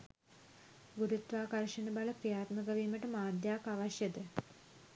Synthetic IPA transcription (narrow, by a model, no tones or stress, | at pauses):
ɡuɾut̪ʋaːkɐɾʂɐnɨbɐɭɐprijaːt̪mɐɡɐʋimɐʈːɨmaːd̪jaːkaʋɐɕjɐd̪ɨ